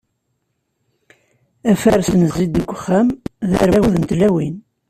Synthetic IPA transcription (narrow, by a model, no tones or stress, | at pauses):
æfæɾsənəzːid̪əɡʷːχːæmðæ̰ɾæwuðənt̪læwin